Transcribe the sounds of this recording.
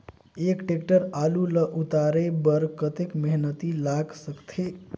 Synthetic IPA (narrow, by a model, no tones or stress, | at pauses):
ekʈekʈəɾaluləʔut̪aɾebəɾkət̪ekmeɦnət̪ilaɡsəkt̪ʰe